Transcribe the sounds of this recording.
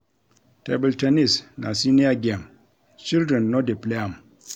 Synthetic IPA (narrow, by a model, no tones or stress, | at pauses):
tebultanisna̰siniaɡem | t͡ʃildɾɛnːodipleam